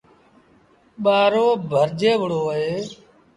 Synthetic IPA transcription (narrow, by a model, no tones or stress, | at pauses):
ɓaːɾoːbʱəɾd͡ʒeːʋəɽoːɦeː